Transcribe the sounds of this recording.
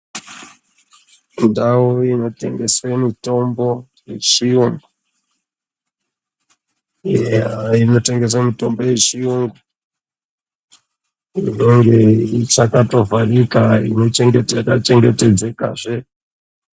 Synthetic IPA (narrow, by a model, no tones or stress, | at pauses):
indawoino̞te̞ŋɡe̞swemito̞mbo̞ | jet͡ʃiuŋɡo | eaino̞te̞ŋɡeswemito̞mbo̞je̞t͡ʃiuŋɡo | ino̞ŋɡe̞it͡ʃakato̞vʱarikaḭno̞t͡ʃeŋɡetkat͡ʃe̞ŋɡe̞te̞d͡zeka̰ʐe